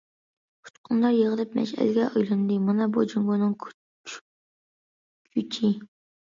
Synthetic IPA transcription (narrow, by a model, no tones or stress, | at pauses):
pʰu̥t͡ʃqʰʊnlˠɑɾjeʁəlˠɨp̚mɛ̰ʃɛ̰lɡʲɛʔojlˠɨnɨd̪ɨmɑnɑbud͡ʒuŋbunɨŋ | kʲʰyt͡ʃʰi